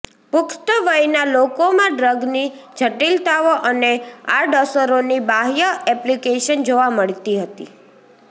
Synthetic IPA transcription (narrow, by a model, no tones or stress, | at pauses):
pʊkʈ̪əʋəjnalokomãɖɾəɡnid͡ʒʱəʈilt̪aʋoʔəneaɖəsəɾonibaɦjəɛplikeʃənd͡ʒoʋaməɭt̪iɦət̪ḭ